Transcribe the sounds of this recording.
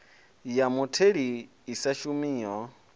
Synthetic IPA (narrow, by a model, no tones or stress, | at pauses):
jamutʰeɺiː | saʃumiːɔ